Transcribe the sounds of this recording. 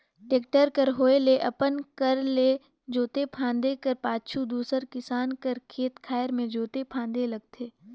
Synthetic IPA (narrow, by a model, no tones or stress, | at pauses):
ʈeːkʈəɾkəɾɦoːeleʔɐpənkɐɾle | d͡ʒoːt̪epʰãːnd̪ekəɾpaːt͡ʃʰud̪uːsəɾkɪsaːnkəɾkʰeːt̪kʰaːjəɾmẽd͡ʒoːt̪epʰãːnd̪elɐɡt̪ʰeː